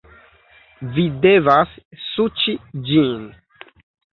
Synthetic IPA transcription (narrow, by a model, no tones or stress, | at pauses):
videvasːut͡ʃid͡ʒin